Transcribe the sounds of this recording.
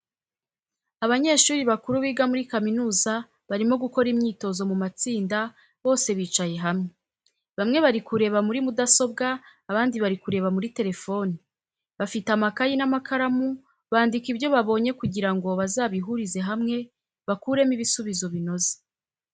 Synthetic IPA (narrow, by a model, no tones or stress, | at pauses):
aβaɲe̞ːʃuːɾiβakuɾuβiːɡamuɾikaminuːza | βaɾimo̞ɡuko̞ɾimɲiːto̞zo̞mumat͡siːnda | βo̞ːse̞βiːt͡ʃaje̞ɦamŋe | βamŋe̞βaɾikuɾe̞βamuɾimudaso̞b̚ɡaːβaːndiβaɾikuɾe̞βamuɾite̞ɾe̞fo̞ni | βafitamakajinamakʰaɾamu | βaːndikibjo̞βaβo̞ːɲe̞kuɟiɾaŋɡo̞βazaːβiɦuɾize̞ɦamŋe̞ | βakuːɾe̞miβisuβizo̞βino̞ze̥